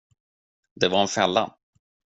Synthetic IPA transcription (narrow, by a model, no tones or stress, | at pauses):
d̪ɛvaɾɛnfɛlːa̰